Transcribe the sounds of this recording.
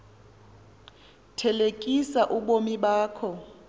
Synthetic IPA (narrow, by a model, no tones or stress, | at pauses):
tʰɛlekʼisaʔuɓomiɓaːkʰɔ